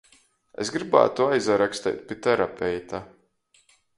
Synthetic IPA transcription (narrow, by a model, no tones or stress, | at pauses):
ḛsɡɾiba̰ːt̪uajzaɾakst̪ɛ̰jt̪̚pʲit̪ɛɾapʲɛjt̪a